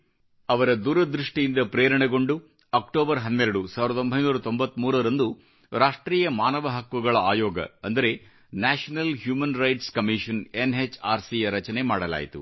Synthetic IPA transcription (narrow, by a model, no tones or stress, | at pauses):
ɐʋɐɾɐd̪uːɾɐd̪ɾiʂʈijind̪ɐpɾɛːɾɐɳɛɡo̞ɳɖu | ɐːk̚ʈoːbɐɾɦɐnːɛɾɐɽusaːʋiɾɐombʱɐjnuːɾɐt̪o̞mbɐt̪ːmuːɾɐɾɐnd̪u | ɾaːʂʈɾiːjɐmaːnɐʋɐɦɐkʋuɡɐɭɐaːjɔːɡɐ̰ɐnd̪ɐɾe̞ | naːʂɐnɐlɦjuːmɐnɾɐjʈskɐmiʃɐnenɦet͡ʃaːɾsijɐɾɐt͡ʃɐnemaːɽɐla̰ːjit̪ṵ